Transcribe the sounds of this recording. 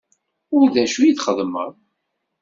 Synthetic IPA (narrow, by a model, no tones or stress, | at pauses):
ʊɾðæʃujiθχəðˤmə̰ɾ